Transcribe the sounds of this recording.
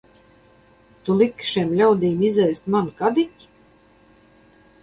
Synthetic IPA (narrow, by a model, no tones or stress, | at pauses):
t̪ulˠikʃɛmlʲawd̪iːmizɛjst̪mankad̪itʲ